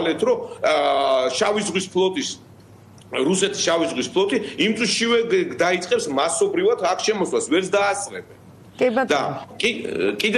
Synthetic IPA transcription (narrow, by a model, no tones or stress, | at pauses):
lɛt̪ʰɾɔ | ʃavizʁwispʰlˠɔt̪ʼis | ɾusɛt̪ʰi̥sʃavizʁwispʰlˠɔt̪ʼiimt̪sʼuʃivɛd̪ait̪sʼqʼɛpsmasɔbɾivat̪ʰakʰʃɛmɔswasvɛɾsd̪aːsɾɛbɛn | d̪a̰kʼikʼid̪